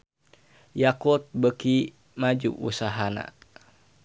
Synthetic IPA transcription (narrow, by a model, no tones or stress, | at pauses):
jakut̪̚bəki | mad͡ʒṵʔṵsaɦana̰